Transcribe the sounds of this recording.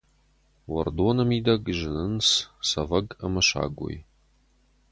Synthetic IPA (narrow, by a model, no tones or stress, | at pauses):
wɐrd̪onɐmid̪ɐɡʒɨnɨnssɐvɐɡɐmɐʃa̰ːɡʷo̰j